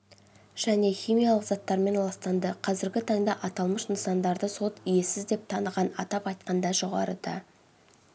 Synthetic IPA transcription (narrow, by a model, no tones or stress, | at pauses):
ʒ̥æne̞χʲijmijɑlˠəqzɑt̪ːɑɾme̞nlˠɑst̪ɑnd̪əqʰɑzɪɾɡʲɪt̪ʰɑŋd̪ɑʔɑt̪ɑlˠməʃnəsɑnd̪ɑɾd̪əso̞t̪ije̞sɪzd̪e̞p̚t̪ʰɑnəʁɑnɑt̪ɑpɑjt̪̚qɑnd̪ɑʒo̞ʁɑ̰ɾəd̪ɑ̰